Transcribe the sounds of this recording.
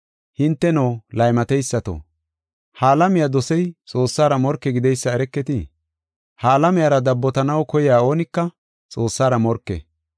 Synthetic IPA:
hɪnt̪ːɛnoːlɐjmɐt̪ɛjsːɐt̪o̰ː | haːlɐmɪjad̪ɔsɛjt͡sʼoːsːaːɾɐmɔɾkːɛɡɪd̪ɛjsːɐɛɾɛkːɛt̪ɪ | haːlɐmɪjaːɾɐd̪ɐbːɔt̪ɐnɐwkɔjɪjaːo̞ːnɪkːɐ | t͡sʼo̞ːsːaːɾɐmɔɾkːɛ̰

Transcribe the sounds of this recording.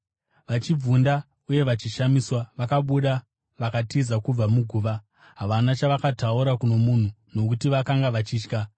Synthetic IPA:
ʋat͡ʃib͡vunda | uje̞ʋat͡ʃiʃamiswaʋakaɓuɗa | ʋakatizakub͡vamuɡʱuːʋa | ɦaʋanat͡ʃaʋakatauɾakuno̞mun̤uno̞kutiʋakaŋɡaʋat͡ʃiːt͡ʃka

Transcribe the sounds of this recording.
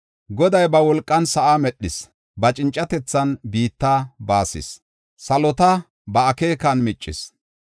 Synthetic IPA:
ɡɔd̪ɐjbɐwɔlkʼːɐnsɐʔamɛɗːɪs | bɐt͡ʃʼɪnt͡ʃʼːɐt̪ɛt͡sːɐnbiːt̪ːaːbaːsɪ̰s | sɐlɔt̪ɐ | bɐːkeːkɐnmɪt͡ʃʼːɪs

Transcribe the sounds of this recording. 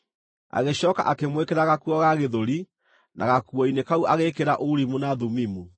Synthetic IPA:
a̰ɣeɕɔːka̰ʔakemwekeɾaɣakuɔɣaɣeðoɾi | nʔa̰ɣakuɔinekauʔaɣekeɾaʔoɾimunaðumimu

